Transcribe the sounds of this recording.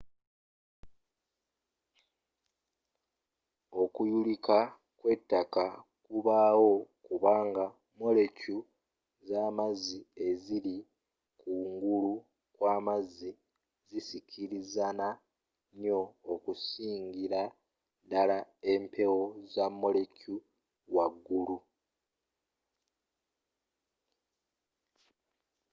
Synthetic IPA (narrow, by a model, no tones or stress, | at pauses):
o̞kujulika | kwe̞tːaka | kuβaːwo̞kuβaːŋɡa | mo̞le̞cu | zaːmazie̞zili | kuŋɡulu | kwaːmazi | zisicʰiɾizana | ɲo̞ːkusiːŋɡiɾa | dalae̞mpʰe̞wo̞zamːo̞le̞cu | waɡːulu